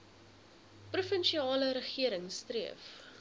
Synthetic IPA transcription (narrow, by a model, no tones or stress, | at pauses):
prufənʃiɑːləɾəχiəɾəŋstriəf